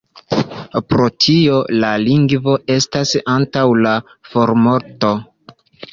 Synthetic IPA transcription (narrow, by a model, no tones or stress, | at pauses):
pɾo̞tʰio̞laliŋɡvo̞e̞stasantawla | fo̞ɾmo̞ɾto̞